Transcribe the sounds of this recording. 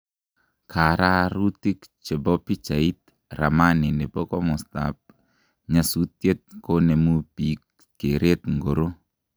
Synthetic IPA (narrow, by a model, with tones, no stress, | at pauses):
kʰa˨ɾa˦ɾu˦ti˦kt͡ʃe˨bɔ˦pi˦t͡ʃa˨i˦t̪̚ | ra˨ma˦ni˨ne˨po˦kɔ˦mɔ˨sta̰˨p̚ | ɲa˨su˦tje˦t̪̚ko˦nɛ˨mu˦pi˨˦k̚ | ke˨ɾe˦t̪ŋɡo˨ɾo˦